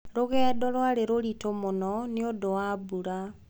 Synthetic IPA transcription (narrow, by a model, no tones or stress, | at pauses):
ɾoɣɛːdɔɾwaɾeɾoɾitomonɔneodowabuɾa